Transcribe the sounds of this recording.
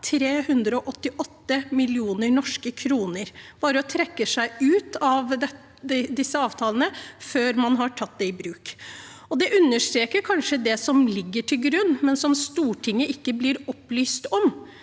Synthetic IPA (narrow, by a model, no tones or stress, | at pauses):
t̪ʰɾeːhʉnd̪ɾəɔʔɔt̪ːɪʔɔt̪ːəmɪlɪuːnəɳɔʂkəkʰɾuːnəɾb̥ɑːɾəɔt̪ʰɾɛkːəsæɪʉːt̪ɑʋd̪ɛ | d̪ɪsːəɑːʋt̪ʰɑːlənəføːɾmɑnɦɑʈʰɑt̪̚ːd̪ɛɪbɾʉːk | ɔd̪ɛʔʉnːəʂt̪ɾeːkəɾkʰɑnʂəd̪ɛsɔmlɪɡːəʈʰɪlɡɾʉnːmɛnsɔmst̪uːʈʰɪŋːəɪkːəblɪɾɔpːlyːst̪ɔm